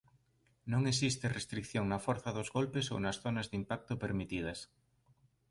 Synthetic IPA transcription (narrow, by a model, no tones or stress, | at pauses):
nõŋes̬ist̪erest̪ɾikθjoŋnafweɾθaðozɣolpeso̰nasθonazðimpak̚t̪opeɾmit̪ið̞ɐs